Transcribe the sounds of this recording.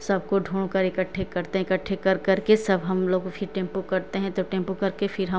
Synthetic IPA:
sɐb̚ʱkoɖʱuːɽ̃kɐɾɪkəʈʰːekɐɾt̪eɦɛ̃ɪkəʈʰːekɐɾkɐɾkesɐbɦɐmloːɡfʰɪɾʈẽːmpukɐɾt̪eɦɛ̃t̪oʈẽːmpukɐɾkefʰɪɾɦɐ̃

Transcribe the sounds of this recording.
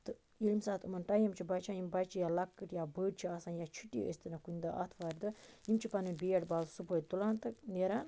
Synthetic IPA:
t̪ɨ | ilmsaːt̪ʰumɐnʈajimt͡ʃʰibɐt͡ʃʰaːjimbɐjt͡ʃʰijaːlɐkːɨʈjaːbəːɖ̚t͡ʃʰiasaːnjaːt͡ʃʰuʈːḭḛst̪ɨnɐkunʲd̪ɐʔɐ̰t̪ʰʋaːɾʲd̪ɨimt͡ʃʰipɐnɨbeːʈbaːzsupoːjt̪ulaːnt̪ɨneɾaːn

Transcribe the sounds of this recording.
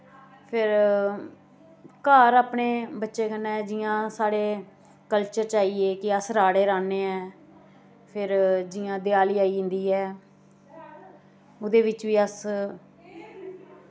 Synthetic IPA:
pʰɪɾ | kaːɾaːpɳeːbətːʃeːkənːɛːd͡ʒɪjãːsaːɽeː | kəlt͡ʃəɾt͡ʃaːiːeːkɪəsɾaːɽeːɾãːneːɛ̃ː | pʰɪɾd͡ʒɪjãːd̪ɪjaːliːaːiːɦɪ̃nd̪iːɛː | ʊd̪eːʋɪt͡ʃʋiːəs

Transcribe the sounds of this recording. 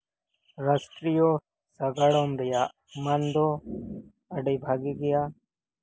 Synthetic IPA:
ɾəsʈɾijo | sɐɡaɽoːmɾɪjaː | mɐnd̪oː | ɐɖiːbʱaːɡiɡɪjaː

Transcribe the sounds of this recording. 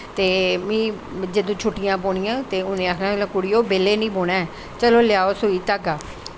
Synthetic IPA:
t̪eːmĩː | d͡ʒəd̪õːt͡ʃʰʊʈːɪjãːboːɽ̃ɪjãːt̪eːʊnẽːakʰnãːlãːkʊɽɪjoːbeːlːeːnĩːboːɽ̃aːɛ | t͡ʃəloːlɪjaːoːsoːiːt̪aɡaː

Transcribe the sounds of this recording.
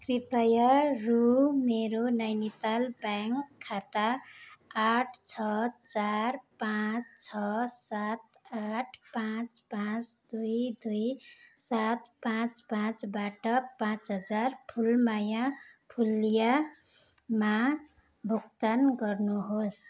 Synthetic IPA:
kripajarumeɾonʌjnit̪albaŋkʰːat̪aː | ʈʰt͡sʰʌt͡sarpãt͡st͡sʰʌsat̪ | aʈʰpãt͡spãt͡sd̪ujd̪ujsat̪pãt͡spãt͡sbaʈʌpãt͡sɦʌd͡zarpʰulmajãpʰulːija | ma | bʱuk̚t̪anɡʌrnuɦos

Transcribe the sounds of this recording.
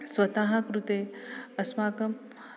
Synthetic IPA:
swɐt̪aɦɐkɾut̪eːɐsmaːkɐm

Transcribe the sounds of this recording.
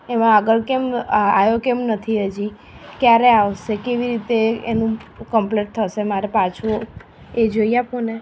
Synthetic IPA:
emãəɡəɭkemajokemnət̪ʰiəd͡ʒi | kjaɾeaʋʃekeʋiɾit̪eenũkəmpleʈ̚t̪ʰəʃemaɾepat͡ʃʰo | ed͡ʒoiapone

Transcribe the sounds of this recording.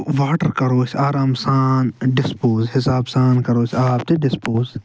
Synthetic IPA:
ʋaːʈəɾkɐɾoːsaːɾaːmsaːnɖɪspoːzɦɪsaːbsaːnkɐɾoːsaːp̚t̪eɖɪspoːz

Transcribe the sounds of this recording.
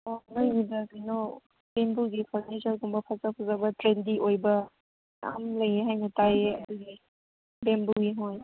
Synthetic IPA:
ɔnaɡidɐɡino | bembuɡipʰaɾnisɐɾɡumbɐpʰazapʰazabɐtɾendiʔojbɐ | a̰mlɐjeɦajnɐtajeɐd̪uɡi | bembuɡiɦoj

